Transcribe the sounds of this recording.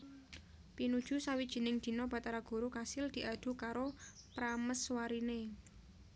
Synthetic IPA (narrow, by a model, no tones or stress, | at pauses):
pinud̥ʒ̥ṳsawid̥ʒ̥i̤nɪŋd̪̥i̤nɔb̥a̤t̪aɾaɡ̥ṳɾukasɪld̪̥i̤ʔad̪̥ṳkaɾopɾaməswaɾine